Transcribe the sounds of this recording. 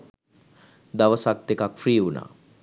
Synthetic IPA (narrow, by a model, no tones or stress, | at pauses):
d̪aʋəsak̚t̪ekakfɾiːuna̰ː